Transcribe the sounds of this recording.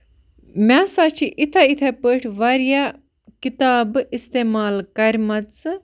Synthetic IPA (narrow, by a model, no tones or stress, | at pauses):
mʲaːsaːt͡ʃʰiʔit̪ʰait̪ʰɐpəʈʰʋaːɾja | kit̪aːbist̪eːmaːlkɐɾmɐt͡sɨ